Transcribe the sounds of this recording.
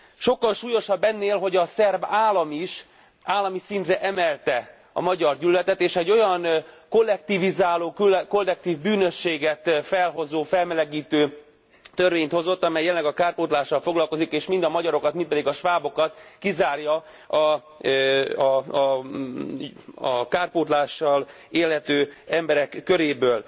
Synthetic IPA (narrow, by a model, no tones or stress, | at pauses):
ʃo̞kːɒlʃuːjo̞ʃɒbːɛnːeːlɦo̞ɟɒsɛrbaːlɒmiʃ | aːlːɒmisint̪rɛʔɛmɛlt̪ɛ | ɒ̰mɒɟɒrɟylːɛt̪ɛt̪eːʃɛɟːo̞jɒnko̞lːɛk̚t̪ivizaːloːkko̞lːɛk̚t̪iːvbyːnø̞ʃːeːɡɛt̪fɛlɦo̞zoːfɛlmɛlɛɡiːt̪øː | t̪ørveːɲt̪ho̞zo̞t̪ːɒmɛjɛlɛlːɛɡɒkaːrpoːt̪laːʃːɒlfo̞ɡlɒlko̞zikeːʃmind̪ɒmɒɟɒɾo̞kɒt̪minpɛd̪iɡɒʃʋaːbo̞kɒt̪kizaːrjɒ | ɒ | ɒkaːrpoːt̪laːʃːɒl | eːlɦɛt̪øːɛmbɛɾɛkːøɾeːbøːl